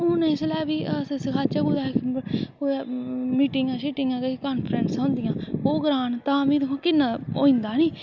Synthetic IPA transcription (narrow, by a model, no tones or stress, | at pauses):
ʊ̃nẽːɪslɛːʋiːssɪkʰaːt͡ʃaːɡud̪aːkkoːmiːʈɪ̃ŋɡãːʃiːʈɪŋɡãːkekaːnpʰɾɛnsãːnd̪ɪjãːɦoːɡɾaːnt̪ãːbĩːd̪ɪkʰõːkɪnːaːo̰ːɪ̃nd̪aːniː